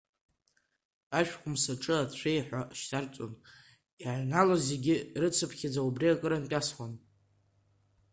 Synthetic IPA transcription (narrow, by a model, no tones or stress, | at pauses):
aʃᶣkʷʼʊmsaʈ͡ʂʼɨat͡ɕʷʰejħʷaʃtʰart͡sʷʼo̰n | iʕnalazeɡʲɪrɨt͡sʰɨpʰχʲad͡zaubriakʼɨɾantʼasχʷan